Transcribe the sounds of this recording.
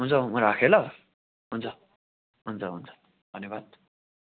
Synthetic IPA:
ɦunt͡sʰʌmʌɾakʰelʌ | ɦunt͡sʰʌ | ɦunt͡sʰʌɦunt͡sʰʌ̥ | d̪̥ʱʌnjebad̪̥̚

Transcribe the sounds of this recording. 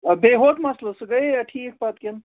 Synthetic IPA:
beːɦot̪mɐslɐsɡɐjaʈʰiːk̚bɐt̪kʲen

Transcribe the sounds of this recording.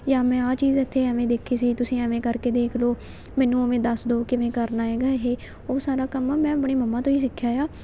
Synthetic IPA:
jaːmɛ̃ːaːt͡ʃiːzət̪ʰːeːɛʋẽːd̪eːkʰiːsiːt̪ʊsĩːɛʋẽːkəɾkeːd̪eːkʰloː | mɛ̃ːnũːomẽːd̪əsd̪oːkɪʋẽːkəɾnaːeːɡaːɦeː | oːsaːɾaːkəmaːmɛ̃ːəpɳeːməmːãːt̪õːiːsɪkʰːjaːjaː

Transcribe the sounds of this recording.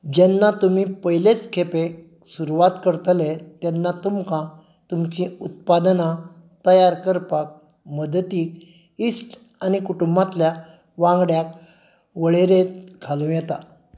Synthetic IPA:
d͡ʑɛnːat̪umipəɦjlet͡skʰepe | suɾuʋat̪kəɾt̪let̪ɛnːat̪umkã | t̪umt͡ɕĩut̪̚pad̪na | t̪əjaɾkəɾpak̚ | məd̪t̪iːk̚ | isʈ | anikuʈumbãt̪lja | ʋãŋɡɽjak̚ | ʋəɭeɾet̪ɡʰʱalũjɛt̪a

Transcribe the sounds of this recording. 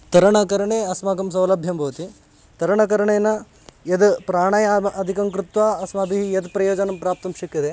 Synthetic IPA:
t̪ɐɾɐɳɐkɐɾɐɳeːɐsmaːɡɐms̬ɐwlɐbʱjɐmbʱɐʋɐt̪i | t̪ɐɾɐɳɐkɐɾɐɳeːnɐ | jɐd̪pɾaːɳɐːjɐɐd̪ʱikɐŋkɾut̪ʋaːɐsmɐbʱiɦijɐd̪pɾɐjoːd͡ʒɐnɐmpɾaːp̚t̪ɐmʃɐkːid̪e

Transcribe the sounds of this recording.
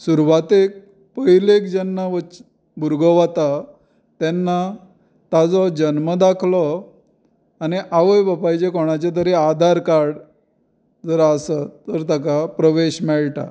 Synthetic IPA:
suɾʋat̪ek̚ | pəjlekd͡ʑɛnːaʋə | bʱuɾɡɔʋat̪a | t̪ɛnːa | t̪ad͡zɔd͡ʑənməd̪akʰlɔ | aniʔaʋəjbəpajt͡ɕekɔɽ̃at͡ɕet̪̬əɾead̪ʱaɾkaɾɽ | d͡zəɾəsat̪ːəɾt̪akapɾəʋeɕmɛɭʈa̰

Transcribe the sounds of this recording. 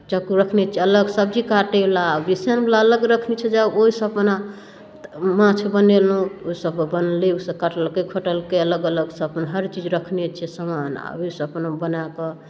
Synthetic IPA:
t͡ʃəkuɾəkʰnet͡ʃʰɛələɡsəbd͡ʒikaʈelabisjanblaələɡɾəkʰnet͡ʃʰɛd͡ʒəboɦisə̃pna | mãt͡ʃʰebənelũoisəbbənliusə̃kaʈəlkekʰoʈəlkeələɡələɡsəəpnɦəɾt͡ʃid͡ʒɾəkʰnet͡ʃʰɛsəmana̰bisəpnabənakɔ

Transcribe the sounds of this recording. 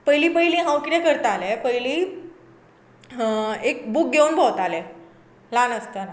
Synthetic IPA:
pəjliːpəjlĩːɦãwkiɾekəɾt̪alepəjliː | ek̚buk̚ɡʱeunbʱəwt̪ale | lanəst̪əna

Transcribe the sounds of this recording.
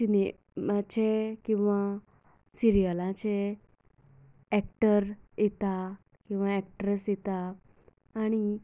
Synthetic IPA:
sine | mat͡ɕekĩw̃ʋa | siɾijəlãt͡ɕe | ɛk̚ʈəɾjɛt̪a | kĩw̃ʋaɛk̚ʈɾəsjɛt̪aː | ɽ̃i

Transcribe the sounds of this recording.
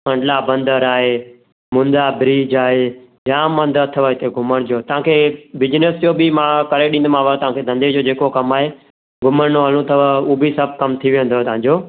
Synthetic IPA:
mɐ̃ɳɖlabɐ̃nd̪əɾaːɦeː | mʊ̃nd̪abɪɾiːd͡ʒaːɦeː | jãːmːə̃nd̪ət̪ʰəʋət̪ʰeɡʱʊməɽ̃d͡ʑoːt̪əãːkʰeːbɪd͡ʒnəsd͡ʒoːbimãːkəɾeɗĩːnd̪mãːʋət̪ɐʋ̤ãːkʰed̪ʱə̃nd̪ed͡ʑoːd͡ʒeːkokɐmaːɦeː | ɡʱʊməɽnoɦəlũt̪ʰəʋəuːbisəb̚ʱkɐmt̪ʰiʋ̃nd̪ot̪ʋ̤ãːɲd͡ʑoː

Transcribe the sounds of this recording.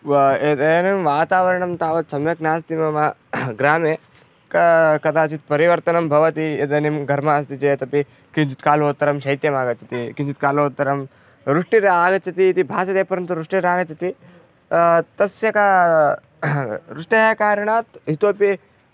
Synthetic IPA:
ed̪ɐjɐnimʋaːt̪aːʋɐɾɐɳɐmt̪aːʋɐt̪sɐmjɐknaːst̪imɐmɐɡɾaːmeː | kɐkɐd̪aːt͡ʃit̪̚pɐɾiʋɐɾt̪ɐnɐmbʱɐʋɐt̪iet̪ɐnimɡʱɐɾmaːst̪it͡ʃeːt̪ɐpi | kint͡ʃit̪kaːlɦoːt̪ːɐɾɐmʃɐɦit̪jɐmaːɡɐt̪t͡ʃʰɐt̪ikint͡ʃit̪̚kaːloːt̪ːɐɾɐm | ɾuʂʈiɾaːɡɐt̪t͡ʃʰɐt̪iːt̪ibʱaːsɐt̪eːpɐɾɐnt̪uɾuʂʈiɾaːɡɐt͡ʃʰɐt̪i | t̪ɐsjɐka | ɾuʂʈɐɦakaːɾɐɳ̃aːt̪ɦit̪oːpi

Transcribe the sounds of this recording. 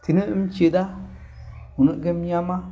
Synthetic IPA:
tiniimt͡ʃeɗa | hunuɡemjama

